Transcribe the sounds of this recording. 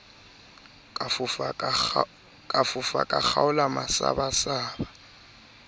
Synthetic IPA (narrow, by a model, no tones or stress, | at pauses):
kʼafʊfa̰kʼak͡xʰaʊlamasa̰basaːba